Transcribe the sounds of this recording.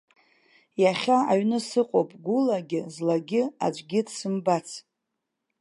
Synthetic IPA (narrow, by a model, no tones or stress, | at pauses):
jaχʲaaɥnɨsɨqʼowpʼɡʷʊlaɡʲɪzlaɡʲɪa̰d͡ʒʷʼɡʲɪdsɨmbat͡sʰ